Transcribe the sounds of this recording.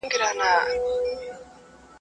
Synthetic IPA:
ŋɡiɾanaː

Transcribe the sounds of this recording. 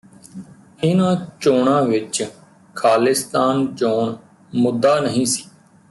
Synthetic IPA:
ɪnãːt͡ʃoːɳãːʋɪt͡ʃ | kʰaːlɪst̪aːnt͡ʃoːɳ | mʊd̪ːaːnəɦĩːsi̥ː

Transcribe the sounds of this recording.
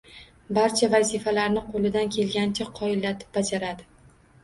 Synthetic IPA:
baɾt͡ʃʰavazifalaɾnɪqʰolɪd̪ankʲʰe̞lɡʲant͡ʃʰaqʰːɒɪlːat̪ʰɪ̥p̚bad͡ʒaɾad̪ɪ

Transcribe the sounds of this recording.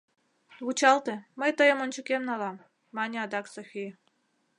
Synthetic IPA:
ut͡ɕɑlˠt̪ĕməjt̪əjə̆mont͡ɕukʲemnɑlˠɑmː | ɑnʲeɑd̪ɑksoxʲij

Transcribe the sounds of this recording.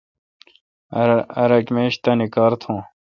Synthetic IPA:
ɐɾɐʈmeːɕt̪ɐnikaːɾt̪ʰõː

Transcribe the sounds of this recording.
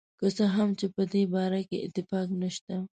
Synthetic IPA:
kəsəɦamt͡ʃepəd̪ebɑɾakeɪ̰t̪ːɪfɑknəʃt̪a

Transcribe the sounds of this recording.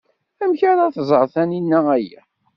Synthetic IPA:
æmçaɾæθzˤəɾˤθæninːææjæ̰

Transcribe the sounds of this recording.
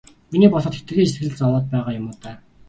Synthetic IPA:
miniːpɔsχɞ̆t̪xe̥xt̪ɘ̆ɣiːesɡɘ̆ɮɘ̆ɮt͡sɔwɔːt̪̚pæːʁaːjʊmʊːt̪æː

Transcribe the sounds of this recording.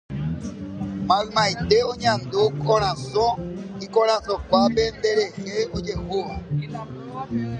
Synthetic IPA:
mãɣmãid̪eoɲãnd̪okɔɾ̃ãzɔ̃ikɔɾ̃ãsɔ̃k͡pabend̪eɾeɣeod͡ʒexoɔ

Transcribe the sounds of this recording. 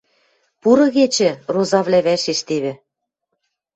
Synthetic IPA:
puɾɤ̆ɣet͡ɕɘ̆rozɑvlʲæβæʃeʃt̪eβɘ̆

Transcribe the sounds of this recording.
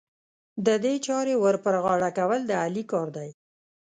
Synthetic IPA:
d̪əd̪et͡ʃɑɾewəɾpəɾɣɑɽakawəld̪əalikɑɾd̪aj

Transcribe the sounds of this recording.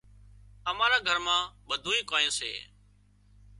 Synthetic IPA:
əmãːɾaːɡʱəɾmãːɓəd̪ʱũːĩːkaːjẽːsḛː

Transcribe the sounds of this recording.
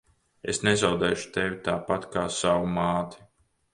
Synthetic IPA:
ḛsnezawd̪ɛːʃu̥t̪evʲit̪aːpat̪kaːsawumaːt̪ʰi̥

